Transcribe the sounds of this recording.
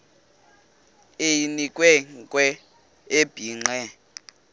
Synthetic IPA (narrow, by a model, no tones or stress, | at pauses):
ejinikʼwɛŋkʼwɛ | eb̥ʱiːŋ͡ǀɛ